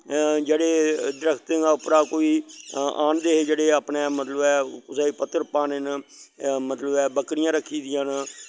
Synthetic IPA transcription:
d͡ʒeːɽeːd̪ɾəkʰt̪əɡaʊpɾaːkoːiːaːnd̪eːɦeːd͡ʒeːɽeːaːpneːmət̪ləbɛːʊsaːipət̪ːəɾpaːnen | mət̪ləbɛːbəkɽɪjãːɾəkʰːiːd̪ɪjãːn

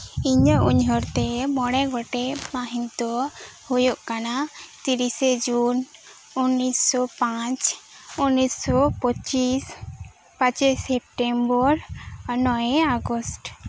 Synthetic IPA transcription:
iɲəʔuɲɦɔɾt̪emɔɽɛɡɔʈemaɦiŋt̪ɔhujoʔkanat̪iɾised͡ʒun | unːisːɔpat͡ʃ | unːisɔpɔt͡ʃis | pãt͡ʃisep̚ʈembɔɾnɔjeaɡɔsʈ

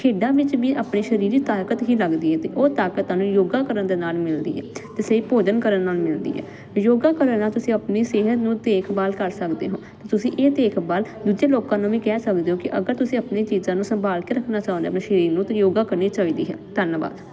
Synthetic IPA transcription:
kʰeːɖãːʋɪt͡ʃʋiːʔaːpɳeːʃəɾiːɾiːt̪aːkət̪ɦiːləɡd̪iːɦɛːt̪ḛːʔoːt̪aːkət̪ːãːnũːjoːɡaːkəɾənd̪eːnaːlmɪld̪ḭːɦɛ̰ːt̪eːseiːpoːd͡ʒənkəɾənːaːlmɪld̪ḭːɦɛ̰ː | joːɡaːkəɾənːaːt̪ʊsĩːəpniːseːɦət̪nũːd̪eːkʰbaːlkəɾsəkd̪ḛːɦõːt̪eːt̪ʊsĩːʔeːt̪eːkʰbaːld̪uːd͡ʒeːloːkãːnũːʋĩːkɛːsəkd̪eːɦoːkɪʔəɡəɾt̪ʊsĩːapneːt͡ʃiːzãːnũːsəmbʱaːlkeːɾəkʰnaːt͡ʃaːʊ̃nd̪aːpnẽːʃəɾiːɾnũːt̪ojoːɡaːkəɾniːt͡ʃaːiːd̪ḭːɦɛ̰ːt̪ənba̰ːd̪

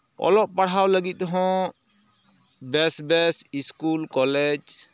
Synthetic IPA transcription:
ɔ̰lɔʔpaɽɦawləɡit̪̚ˀɔɦɔ̃ | bɛsbɛsiskulkɔlɛd͡ʒ

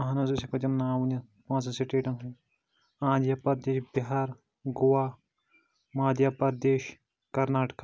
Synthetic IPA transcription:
ɐɦanɐzɐsɐkɐd͡ʒɐmnaːwunɐ | pãːt͡s̬ɐ̃siʈeːʈɐ̃nɦũ | ãːd̪japɐɾd̪eːʃbiɦaːɾ | ɡowaː | maːd̪japɐɾd̪eːʃ | kɐɾnaːʈka

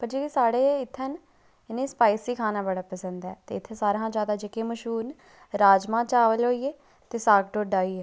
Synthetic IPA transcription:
pəɾd͡ʒeːʋiːsaːɽeːɪt̪ʰːən | ɪnẽːspaːɪsiːkʰaːnaːbəɽaːpəsə̃nd̪ɛːt̪ḛːɪt̪ʰːeːsaːɾãːd͡ʒjaːd̪aːd͡ʒɪkeːməʃuːn | ɾaːd͡ʒmãːt͡ʃaːʋəlɦoːiːeː | t̪eːsaːkʈoːɖaːiːeː

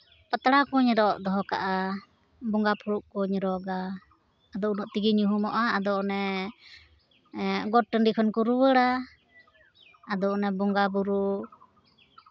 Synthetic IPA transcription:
pət̪ɽakuɲɾɔʔd̪ɔɦɔka̰ʔa | bɔŋɡapʰuɾuʔkɔɲɾɔɡaː | d̪ɔʔunɔʔt̪iɡiɲuɦumɔʔaːd̪ɔnɛ | ɡɔʈːənɖikʰɔnkuɾuwəɽa | d̪ɔnɛbɔŋɡabuɾu

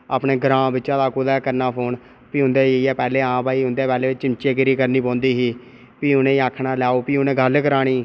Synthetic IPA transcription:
aːpɳeːɡəɾãːbɪtːʃãːd̪aːkʊd̪aːkəɾnaːpʰoːɳ | piːʊnd̪eːeiɛːpɛːleːãːpaːiːʊ̃nd̪eːpɛːleːt͡ʃɪnt͡ʃeːkɪɾiːkəɾniːpɔ̃ːnd̪iːɦiː | piːʊnẽːaːkʰnaːlɛːoːpiːʊnẽːɡəlkəɾaːɽiː

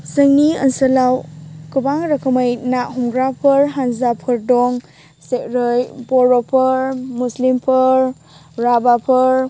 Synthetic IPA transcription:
sɯŋniɐ̰nsɐlawkɯbaŋɾɐkʰɐməjnaʔɦuŋɡɾapʰɯɾɦanzapʰɯɾdɔŋ | sekɾɯjpɔɾopʰɯɾmuslimpʰɯɾ | ɾabapʰɯɾ

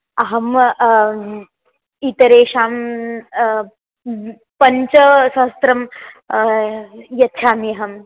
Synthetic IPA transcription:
ɐɦɐm | it̪ɐɾeːʃaːm | pɐɲt͡ʃɐsɐst̪ɾɐm | jɐt̪ːʃʰaːmijɐɦɐm

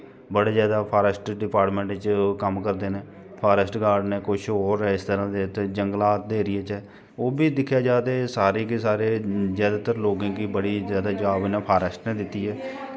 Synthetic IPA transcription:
bəɽeːzjaːd̪aːpʰaːɾəsʈɖɪpaːɾʈmẽːɳʈt͡ʃkəmkəɾd̪eːneː | pʰaːɾəsʈɡaːɾɖnẽːkʊʃʰɦoːɾɛːɪst̪əɾãːd̪eːt̪ed͡ʒəŋɡlaːt̪̚d̪eːɾɪeːt͡ʃɛː | oːbiːd̪ɪkʰjaːd͡ʒaːd̪eːsaːɾeːkesaːɾeːzjaːd̪aːt̪əɾloːɡãːkiːbəɽiːzjaːd̪aːd͡ʒəʋaːbnɛ̃ːpʰaːɾəsʈnẽːd̪ɪt̪ːiːɦɛː

